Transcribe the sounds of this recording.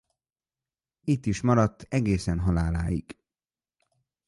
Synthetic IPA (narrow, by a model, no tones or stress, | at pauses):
it̪ːiʃmɒɾɒt̪ːɛɡeːsɛnɦɒlaːlaːjḭɡ̥